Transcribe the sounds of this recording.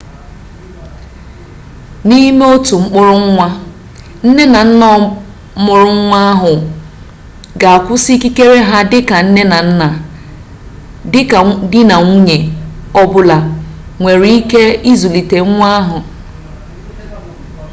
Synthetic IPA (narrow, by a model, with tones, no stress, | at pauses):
ni˦me˦o˦tu˨ŋ͡m̩˦k͡pʊ˦ɾʊ˦ŋ̩˦ŋʷa˦ | n̩˦ne˦na˨n̩˦nɔ˦ | mʊ˨ɾʊ˦ŋ̩˦ŋʷa˦a˦ɦʊ˨ | ɡa˨a˨kʷʊ˦si˦ki˦ke˦ɾe˦ɦa˦dɪ˦ka˨n̩˦ne˦na˨n̩˦na˨ | ɪ˦dɪ˦na˨ŋʷu˦ɲe˨ɔ˦bʊ˦la˨ŋʷe˨ɾi˦i˦ke˦i˦zu˨li˨te˨ŋ̩˦ŋʷa˦a˦ɦʊ˨